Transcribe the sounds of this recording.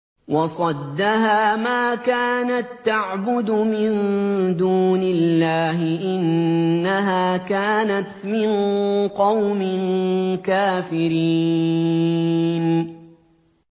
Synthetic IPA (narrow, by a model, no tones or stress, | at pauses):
wɑsˤɑd̪ːaɦaːmaːkaːnat̪ːaʕbʊd̪ʊmɪnd̪uːnɪlːaːɦɪʔɪnːaɦaːkaːnat̪mɪnqɑwmɪnkaːfɪɾi | n